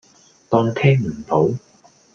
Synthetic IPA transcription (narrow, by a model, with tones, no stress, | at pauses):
t̪ɔː˧ŋt̪ʰɛː˥ŋm̩˨˩t̪o˨˥w